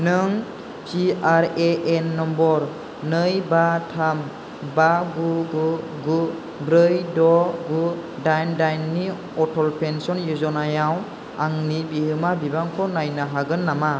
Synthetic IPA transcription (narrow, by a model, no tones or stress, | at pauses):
nɯŋ | ziaɾeʔɛnːɔmbɔɾ | nɯjbatʰam | baɡuɡu | ɡu | bɾɯjdɔɡudajndajnːi | ɔtʰɔlpʰensɔnjuzɔnajaw | aŋnibiɦɯmabibaŋkʰɔnajnaɦaɡɯnːama